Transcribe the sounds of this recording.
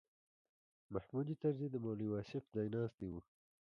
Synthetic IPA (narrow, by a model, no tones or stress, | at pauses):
mahmud̪it̪aɾzid̪əmoliwɑːsɪfd̪ɑjnɑːst̪iwu